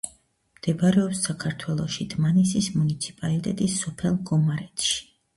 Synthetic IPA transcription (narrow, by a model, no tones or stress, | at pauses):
md̪̥ɛpaɾɛɔpsakʰaɾt̪ʰwɛlˠɔʃid̪̥ʰmanɛsismunit̪sʰi̥pʼalit̪ʼɛt̪ʼisːɔpʰɛlˠɡɔmaɾɛt̪ʰʃi̥